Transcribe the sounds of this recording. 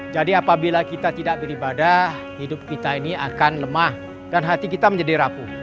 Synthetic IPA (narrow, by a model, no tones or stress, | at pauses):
d͡ʒadiapabilakit̪at̪idaʔ̚bəɾibada | hidʊp̚kit̪ainiakanləmah | d̥anɦat̪ikit̪aməɲd͡ʒadiɾapu